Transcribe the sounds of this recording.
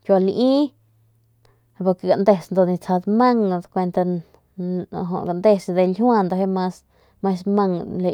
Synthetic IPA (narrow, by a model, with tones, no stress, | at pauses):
kjʷa˧lʔi˦ | po˧˨ke˨ɡa˨nd̪e˧snd̪o˧ni˧t͡sa˧d̪ma˦ŋ˧d̪kʷe˧nt̪a˧ | ɦo̰˧ʔɡa˨nd̪e˧sd̪e˧lhw̃a˧nd̪o˧ɦe˦ma˧s | ma˧sma˧ŋle˧˨